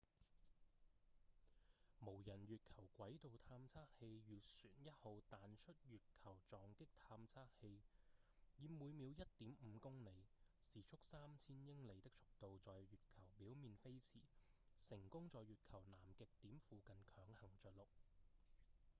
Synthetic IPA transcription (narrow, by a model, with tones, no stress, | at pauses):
mo˨˩wjɐ˨˩nɥyː˨t̚kʰɐ˨˩wkʷɐ˨˥jt̪o˨wt̪ʰaː˧mt͡sʰaː˥k̚he˧jɥyː˨syː˨˩njɐ˥t̚ho˨˧wt̪aː˨nt͡ʃʰɵ˥t̚ɥyː˨t̚kʰɐ˨˩wt͡sɔː˨ŋkɪ˥k̚t̪ʰaː˧mt͡sʰaː˥k̚he˧j | jiː˨˧muː˨˧jmi˨˧wjɐ˥t̚t̪iː˨˥mm̩ː˨˧kʊ˥ŋne˨˧jsiː˨˩t͡ʃʰʊ˥k̚saː˥mt͡sʰiː˥njɪ˥ŋle˨˧jt̪ɪ˥k̚t͡sʰʊ̥˥k̚t̪o˨˧wt͡sɔː˨jɥyː˨t̚kʰɐ˨˩wpiː˨˥wmiː˨˧nfe˥jt͡sʰiː˨˩sɪ˨˩ŋkʊ˥ŋt͡sɔː˨jːyː˨t̚kʰɐ˨˩wnaː˨˩mkɪ˨˧k̚t̪iː˨˥mfuː˧kɐ˨nkʰœː˨˧ŋhɐ˨˩ŋt͡ʃœː˨t̚lʊ˨k̚